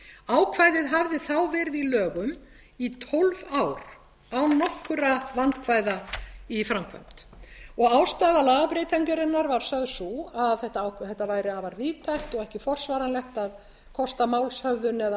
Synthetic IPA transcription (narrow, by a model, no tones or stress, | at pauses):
aːwkʰvaːjðɪðɦavðɪθawvɛːɾɪðilœːɣʏm | it̪ʰɔlvawɾ | awnɔhkʏɾavant̪kʰvaːjðaifɾamkʰvœ̰m̥t̪ɔɣaːwst̪aːðalaapɾɪjt̪ʰajɲkɪɾɪnːaɾvaɾ̥sœðsuaðθɛht̪aawθɛht̪ːavaːjɾɪavaɾviːt̪ʰajht̪ɔɣɛhcɪfɔr̥svaːɾanlɛxt̪að | kʰɔst̪amaːwlshœvðʏnɛða